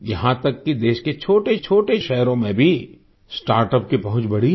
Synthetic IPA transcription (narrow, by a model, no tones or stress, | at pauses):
jɐɦãt̪ɐkːid̪eːʃket͡ʃʰoːʈet͡ʃʰoːʈeʃɛɦɾõmẽbʱi | sʈaːɾʈəp̚kipɐɦʊ̃t͡ʃbɐɽ̤i